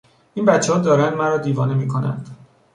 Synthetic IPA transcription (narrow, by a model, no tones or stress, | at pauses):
iːnbæt̪t͡ʃʰːehɒːd̪ɒːɾænd̪mæɾɒːd̪iːvɒːnemiːkʰonæ̰nd̪̥